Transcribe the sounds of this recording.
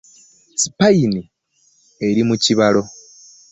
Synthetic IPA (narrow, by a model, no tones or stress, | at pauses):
si̥paini | e̞ɾimuciβalo̞